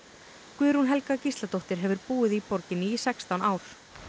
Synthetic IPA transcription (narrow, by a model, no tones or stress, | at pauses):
kvʏːɾunɦɛlkacist̪lat̪owht̪ɪɾ̥ɦɛvʏɾpuːɪðipɔɾcɪnːɪːsɛkst̪awnaːwɾ̥